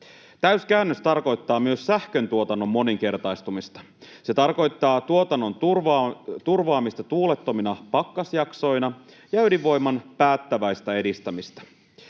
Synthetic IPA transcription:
t̪æyskæynːøst̪ɑrko̞jt̪ːɑːmyøssæhkø̞nt̪uo̞t̪ɑnːo̞mːo̞niŋk̟e̞rt̪ɑjst̪umist̪ɑ̥ | se̞t̪ɑrko̞jt̪ːɑːt̪uot̪ɑnːo̞nrt̪urʋɑːmist̪ɑt̪uːlet̪ːo̞minɑpɑkːɑsjɑkso̞jnɑ | jɑydiʋːo̞jmːɑnpæːt̪ːæʋæjst̪æe̞dist̪æmist̪æ̥

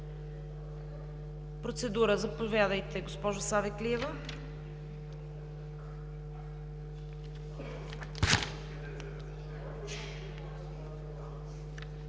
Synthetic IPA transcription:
pɾot̪sɛd̪uɾəzɐpovʲjad̪əjt̪ɛɡospɔʒʊsaðɛkliɛvə

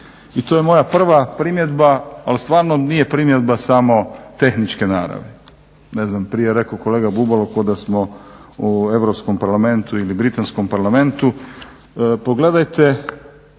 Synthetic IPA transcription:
it̪ojemo̞japr̩ʋapɾimje̞d̪baːlst̪ʋaːɾnonijepɾimje̞d̪basamo̞t̪e̞xnit͡ʃke̞naːɾa̰ʋe | neznampɾijeɾe̞koko̞leɡabubalokod̪asmoue̞ʋɾopskompaɾlame̞nt̪uilibɾit̪anskompaɾlame̞nt̪u | poɡle̞d̪ajt̪e

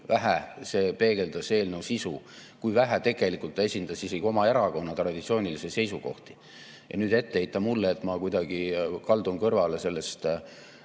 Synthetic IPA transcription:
væɦæse̞ːpe̞ːɡ̥e̞ld̪̥ɑse̞ːlnewsisu | kujvæɦæt̪e̞ɡ̥e̞likult̪ːɑesʲind̪̥ɑsiseɡ̥io̞mɑe̞ɾɑko̞nːɑt̪rɑd̪̥ʲit̪sio̞ːnʲilisese̞jsuko̞̰ht̪i̥ | jʔɑ̰nyːd̪e̞t̪ːeejt̪ˑːɑmulːeːt̪mɑkujd̪ɑɡ̥ikɑld̪unkɤrvɑle̞se̞lːe̞st̪

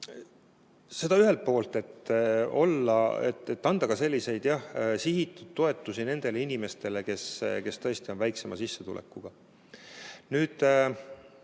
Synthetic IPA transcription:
se̞d̪ɑyɦe̞lt̪̚po̞ːlt̪e̞t̪ːo̞lːɑ̰ḛt̪et̪ːɑnd̪̥ɑɡɑse̞lʲːise̞jd̪̥jɑhsiɦit̪ːˑud̪̥̚t̪ːo̞e̞t̪ːˑusine̞nd̪̥e̞leinime̞st̪e̞le̞ke̞ske̞st̪ɤ̞est̪io̞nvæjkse̞mʔɑsisːe̞t̪ṵlʔḛkːˑuɡ̥ɑ | nyːd̪̥

